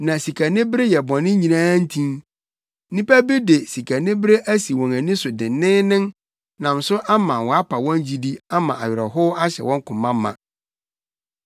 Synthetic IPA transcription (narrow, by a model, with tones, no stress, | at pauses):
nã˨si˨kʰa˨nɪ̃˦bɪ˦ɾe˦jɛ˨bɔ̃˨nɪ̃˦ɲĩ˨nãː˦n̩˦tʰĩ˦n | nĩ˦pæ˦bi˦de˨si˨kʰa˨nɪ̃˦bɪ˦ɾe˦ʔæ˦si˨wɔ̃˨ŋæ˨nĩ˦sʊ˨dɪ̃˨nɪ̃˦nɪ̃˦n | nã˨m˨sʊ˦ʔa˦mã˨wɔ˨a˦pʰa˨wɔ̃˦n˦d͡ʑi˦di˦a˦mã˨ʔa˨ɥɪ˨ɾɛ˨ɦʊ˦a˦ɕɛ̰˨wɔ̃˦ŋ˦kʰʊ̃˨mːã˦mːã̰˨